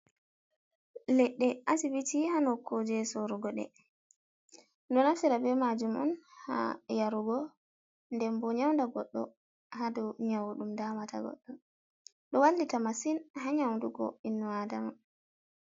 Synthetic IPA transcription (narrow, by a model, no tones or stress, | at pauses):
lɛɗːɛʔasibitihanɔkʰod͡ʒɛsɔɾuɡɔɗɛ̰ | dɔnafiɾabɛmad͡ʒumʔɔ̰nha̰jaɾuɡɔ | ndɛmbɔɲawndaɡɔɗːɔ̰ | hadɔɲawuɗumdamatʰaɡɔ̰ɗːɔ | ɗɔwalːitamasinhaɲawnduɡɔ̰inːɔadama